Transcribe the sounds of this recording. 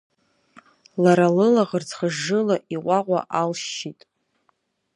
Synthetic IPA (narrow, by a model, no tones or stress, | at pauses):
laɾalɨlaʁərt͡sʰχəʒːɨlaʔiqʷaqʷʼa̰ʔalʃitʼ